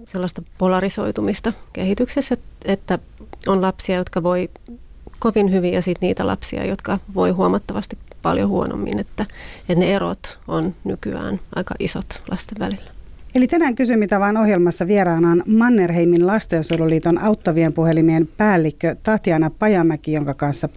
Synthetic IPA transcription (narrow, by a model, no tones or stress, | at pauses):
selːɑst̪ɑpolɑriso̞̰it̪umist̪ɑkehit̪ykseset̪et̪ːæ | onlɑpsiɑjot̪̚kɑʋoi | koʋinhyʋiɑsit̪niːt̪ælɑ̰psḭɑ̰jot̪kɑʋoihuomɑt̪ːɑʋɑst̪ippɑ̰ljohuo̰no̰mːḭnet̪ːæet̪neero̰t̪onny̰ky̰æ̰ːnɑ̰ikɑ̰ʔisot̪lʔɑst̪eʋʋæ̰lilːæ̥elit̪ænæːŋkysymit̪æʋɑinohjelmɑsːɑʋieɾɑːnɑːnmɑnːerheiminlɑst̪ensøluliːt̪onɑuwt̪ːɑʋiempuhelimienpæːlːikːøt̪ɑht̪iɑnɑppɑjɑmːækijoŋkɑkɑnsːɑ